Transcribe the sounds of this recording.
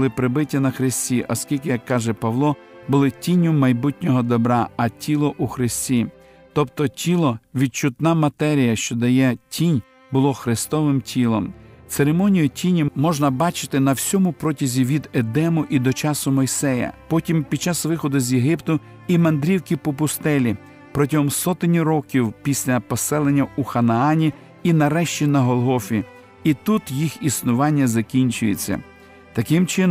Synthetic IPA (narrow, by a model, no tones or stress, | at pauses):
ɪpɾɪbɪtʲːɐnɐxɾɪsʲtʲiʔɐ̰skʲilʲkɪjɐkːɑʒɛpɐʋlˠɔ | bʊlˠɪtʲinʲʊmɐjbutʲnʲɔɦɔd̪ɔbɾɑɐtʲʰilˠɔʔuxɾɪsʲtʲi | t̪ɔpt̪ɔtʲilˠɔʋʲid̪̚t͡ʃʊt̪nɑmɐt̪ɛɾʲijɐʃt͡ʃɔd̪ɐjɛtʲʰinʲ | bʊlˠɔxɾɪst̪ɔʋɪmtʲʰilˠɔmt̪seɾemɔnʲijʊtʲʰinʲʊmɔʒnɐbɑt͡ʃɪ̥t̪ɪnɐwsʲɔmʊpɾɔtʲizʲiʋʲid̪ed̪ɛmʊʔid̪ɔt͡ʃɑsʊmɔjsɛjɐ̰pɔtʲimpʲid̪̚t͡ʃɑsʋɪxɔd̪ʊzʲjeɦɪpt̪ʊ | imɐnd̪ɾʲiwkʲipɔpʊst̪ɛlʲi | pɾɔtʲɐɦɔmsɔt̪ɪnʲiɾɔkʲiwpʲisʲlʲɐpɔsɛlˠenʲːɐuxɐnɐɑnʲi | inɐɾɛʃt͡ʃʲinɐɦɔlˠɦɔfʲi | it̪ut̪jixisnʊʋɑnʲːɐzɐkʲinʲt͡ʃʊjḛt͡sʲːɐ̰ | t̪ɐkɪmt͡ʃɪn